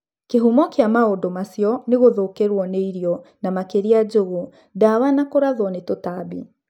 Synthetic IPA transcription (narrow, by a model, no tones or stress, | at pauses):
keɦumɔkeamaodomasjɔneɣoðokeɾwɔneiɾiɔnamakeɾiad͡ʒoɣo | dawanakoɾaðwɔnetotabḭ